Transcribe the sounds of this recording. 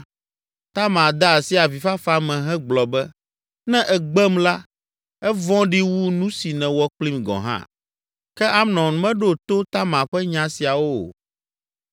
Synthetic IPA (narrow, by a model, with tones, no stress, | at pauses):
t̪a˦mã˨d̪a˦˨si˦a˨vi˨fa˦fa˦mɛ̃˨ɦɛ̃˦ɡ͡blɔ˨bɛ˦ | nɛ̃˦ʔɛ˨ɡ͡bɛ˦mla˦ | ɛ˦vɔ̃˦ɖi˦wu˦nũ˦si˨nɛ̃˨wɔ˦k͡pli˦mɡɔ̰̃˨ɦã̰˦ | kɛ˦a˦mnɔ̃˨nũ˨mɛ̃˦ɖo˦t̪o˦t̪a˦mã˨ɸɛ˦ɲã˨si˨a˨wo̰˦˨